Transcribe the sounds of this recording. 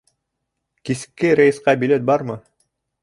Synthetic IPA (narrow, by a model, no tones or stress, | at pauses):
kisɘ̥kːɘɾæjɘ̆sqɑbilet̪̚bɑɾmɤ